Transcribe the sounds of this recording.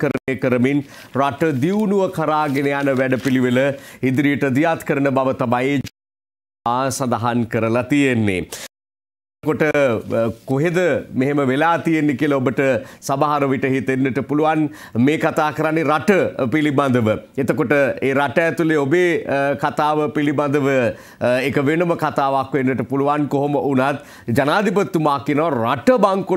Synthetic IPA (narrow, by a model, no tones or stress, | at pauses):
kəɾənekəɾəmin | raʈəd̪iwunuʋəkʰaɾaːɡenejanəʋæɖəpiliʋeləid̪ɾijəʈəd̪ijat̪kəɾənəbaʋət̪amajd͡ʒ | aːsad̪aɦankəɾəlat̪ijenːḛ | koʈə | koɦed̪əmeɦeməʋelaːt̪ijenːekiəlɐobəʈəsabaɦaɾəʋiʈəɦit̪enːəʈəpuluʋan | meːkat̪aːkəɾanːeɾaʈəpiliband̪əʋəet̪əkoʈəeːɾaʈəːt̪uleobeːkat̪aːʋəpiliband̪əʋə | ekəʋenəməkat̪aːʋakʋenːəʈəpuluʋankoɦoməʔunat̪̚ | d͡ʒanaːd̪ipət̪ːumaːkienəʋaraʈəbaŋku